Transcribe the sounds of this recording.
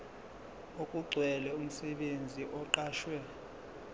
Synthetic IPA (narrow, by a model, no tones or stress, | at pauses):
okʼuɡ͡ǀʱwɛlɛum̩sɛɓend͡zʱiʔɔǃaːʃwɛ